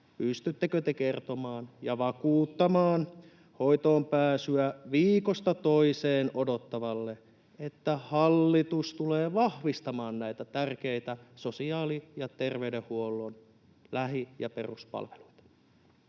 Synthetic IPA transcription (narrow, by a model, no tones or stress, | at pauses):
pyst̪yt̪ːekøt̪ekert̪omɑːnjɑʋɑkuːt̪ːɑmɑːn | hoit̪oːmpæːsyæʋiːkost̪ɑt̪oiseːnodot̪ːɑʋɑlːe | et̪ːæhɑlːit̪ust̪uleːʋɑhʋist̪ɑmɑːnnæit̪æt̪ærkeit̪æsosiɑːlijɑt̪erʋeydehhuolːon | læɦijɑperuspɑ̰lʋeluit̪ɑ̥